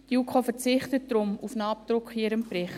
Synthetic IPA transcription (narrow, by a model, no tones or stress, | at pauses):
d̥jukʰofɛɾt͡sɪχtət̚dɾʊmufnɑːp̚tɾʊkχɪɾəmprɪχ